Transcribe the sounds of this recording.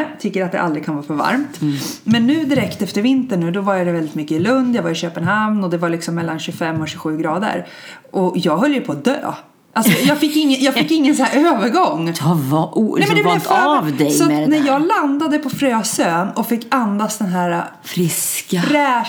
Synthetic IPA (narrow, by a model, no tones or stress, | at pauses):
t̪ʰʏkːəɾat̪̚d̪ɛ̰ʔa̰ld̪ɾɪɡkʰanvɑːfœɾva̰ɾmt̪mɛnːʉ̟ːd̪ɪɾɛkt̪ɛft̪əɾvɪnt̪əɳːʉ̟ːd̪ɔvaɾjad̪ɛvɛld̪ɪt̪mʏkːəɪlɵnd̪javaɾɪɕøːpənɦamnɔd̪ɛvaɭɪksɔmːɛlːanɕɵfɛmːɔɕɵɧʉ̟ːɡɾɑːd̪ə̰ɾ | ʔɔjɑːɡɦœljəjəpʰɔːd̪ø̰ː | ʔalsɔjɑːɡfɪkːɪŋːəjɑːɡfɪkːɪŋːənsæːɾøːvəɾɡɔŋː | ɛmɛd̪ɛvvd̪ɛjsɔanɛjɑːɡland̪ad̪əpʰɔfɾøːsøːnɔfɪkːand̪asd̪ɛnɦæːɾa | fɾɪskɾɛː